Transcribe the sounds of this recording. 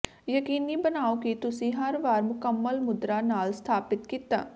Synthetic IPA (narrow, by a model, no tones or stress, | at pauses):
jəkiːniːbənaːokit̪ʊsĩːɦəɾʋaːɾmʊkəmːəlmʊd̪ɾaːnaːlst̪ʰaːpɪt̪kiːt̪a̰ː